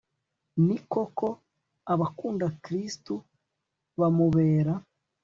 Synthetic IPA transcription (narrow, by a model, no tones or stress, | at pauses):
niko̞kʰo̞ | aβakuːndakɾistu | βamuβeːɾa